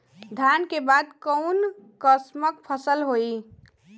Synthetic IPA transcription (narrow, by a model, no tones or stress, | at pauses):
d̪ʱjaːnkebaːd̪kəʊnkəsməkpʰəsəlɦoːi